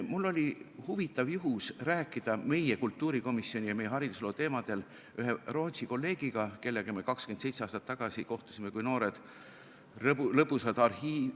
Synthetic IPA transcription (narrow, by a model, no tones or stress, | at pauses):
mulːo̞lʲihuvit̪ːˑɑvjuɦusræːkːˑid̪̥ɑme̞jekult̪ːuːɾiko̞misːio̞nʲijɑme̞jːeɦɑɾid̪uslo̞ːt̪e̞ːmɑd̪̥e̞l | yɦe̞ro̞ːt̪siko̞lːe̞ːɡ̥iɡ̥ɑke̞lːeɡ̥emekɑkskend̪sejt̪seɑːst̪ɑt̪ːɑɡ̥ɑsiko̞ht̪u̥sime̞kujno̞ːɾed̪̥ | lɤpːusɑd̪̥ɑrhiː